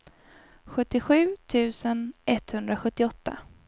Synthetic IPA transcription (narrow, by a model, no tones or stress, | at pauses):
ɧɵt̪ːɪɧʉ̟ːt̪ʰʉ̟ːsənʔɛt̪hɵnd̪ɾaɧɵt̪ːɪɔt̪ːa̰